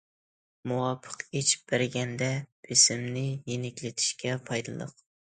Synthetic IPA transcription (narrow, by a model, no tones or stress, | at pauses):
muwɑpʰːə̥qet͡ʃʰi̥p̚b̥æɾɡʲɛnd̪ɛb̥ʰɪsɪmnɪjenɪkʲlɪt̪ʰi̥ʃkʲɛpʰɑjd̪ɨlˠə̰q